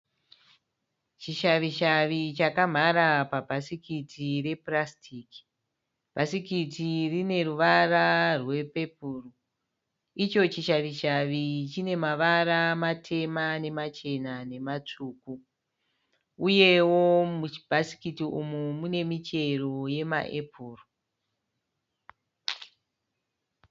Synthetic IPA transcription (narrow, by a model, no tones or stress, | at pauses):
t͡ʃiʃaʋiʃaʋit͡ʃakam̤aɾapabʱasikitʰire̞prastʰiːki̥ | b̥ʱasikitirine̞ruʋararwe̞pe̞puːru | it͡ʃo̞t͡ʃiʃaʋiʃaʋit͡ʃine̞maʋaɾamatʰe̞mane̞mat͡ʃe̞nane̞mat͡ʂuːku | uje̞womubʱasi̥kitiumumune̞mit͡ʃe̞ro̞je̞ma̰ʔepʰuːro